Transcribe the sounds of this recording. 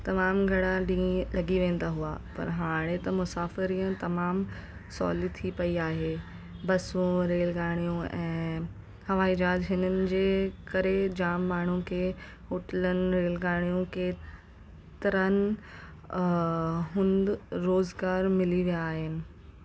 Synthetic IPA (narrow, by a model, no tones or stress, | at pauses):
t̪ɐmaːmɡʱɐɽ̃aɖĩːlɐɡiʋẽːn̆d̪aɦuaːpɐ̰ɾɦaːɽ̃ẽt̪ɐmʊsaːfɪɾiə̃t̪ɐmaːm | sɔ̰ːlit̪ʰipɐiaːɦeː | bɐsũɾeːlɡaːɽ̃ijũɛ̃ː | hɐʋaːɪd͡ʑaːdɦɪnənɪ̆d͡ʑeːkɐɾed͡ʑaːmːaːɳ̤ũkʰeː | ɦoːʈələnɪ̆ɾeːlɡaːɽ̃ijũkeː | t̪ɪɾənɪ̆ | ɦʊ̃nd̪ɾoːzɡaːɾmɪliʋijaːɦɪnɪ̆